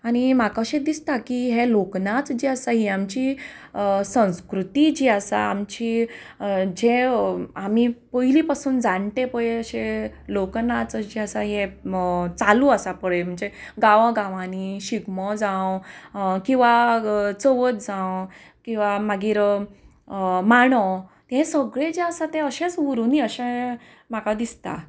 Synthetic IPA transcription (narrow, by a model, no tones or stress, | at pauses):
añimakaɕẽd̪ist̪akiɦeloknat͡sd͡ʑiasaɦiamt͡ɕi | sə̃w̃skɾut̪id͡ʑiəsa̰a̰mt͡ɕi | d͡ʑeamipəɦilipasuːnd͡zaɳʈ̪epəjeəɕeloknat͡səd͡ʑiasaɦe | t͡salũəsapəɭem̤əɳd͡zeɡaʋə̃ɡaʋãniɕiɡmɔd͡zãw | kĩw̃ʋat͡səʋət̪̚d͡zãw | kĩw̃ʋamaɡiːɾ | maɽ̃ɔt̪ẽsəɡɭed͡ʑeəsat̪ẽəɕẽt͡suɾuniəɕẽ | m̤akad̪ist̪a̰